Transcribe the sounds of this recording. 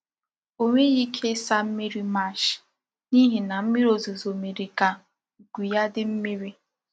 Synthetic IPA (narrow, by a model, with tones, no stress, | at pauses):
o˦ŋʷe˦ɣi˦kʰe˦sa˦m̩˦me˦ɾi˦ma˦˨ʃ | ni˦ɦi˨na˨m̩˦mi˦ɾo˨zu˨zo˨me˨ɾi˨ka˨ | ɡu˨ja˦dɪ˦m̩˦me˦ɾi˦